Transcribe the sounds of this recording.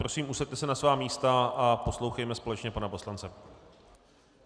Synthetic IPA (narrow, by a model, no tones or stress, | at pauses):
pɾosiːmʔusɛt̪t̪ɛsɛnasvaːmiːst̪aʔapo̞slowxɛjmɛspo̞lɛt͡ʃɲɛpanaposlant͡sɛ